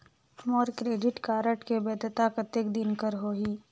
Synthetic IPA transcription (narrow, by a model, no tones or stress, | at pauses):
mɔːɾkɾeːɖɪʈkaːɾəʈkebɛːd̪ʱət̪akət̪ek̚d̪ɪnkəɾɦoːɦiː